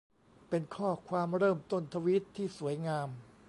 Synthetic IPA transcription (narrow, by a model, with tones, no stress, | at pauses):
pe˧nkʰɔː˥˩kʰwaː˧mɾɤː˥˩mt̪o˥˩nt̪ʰa˧wi˦˥t̪ʰːiː˥˩su˩˦əjŋaː˧m